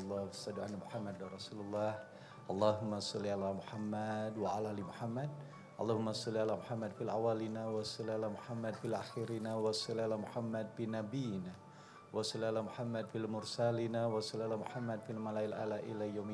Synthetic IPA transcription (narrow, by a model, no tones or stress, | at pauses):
lːɑhwasadʕa̰lamuħamːadanrˤɑsululːɑh | ʔɑlˤːɑɦʊmːasɑlːialamuħamːadwaalaalimuħamːad̚ | ʔɑlˤːɑhumːasɑlːialamuħamːad̪filawalinawasɑlialamuħamːadfilʔaxiɾinawasɑlialamuħamːad̚finabijina | wasɑlːialamuħamːadfilmʊrsalinawasɑlialamuħamːad̚filmalaɪlʔa̰laʔḭlajawm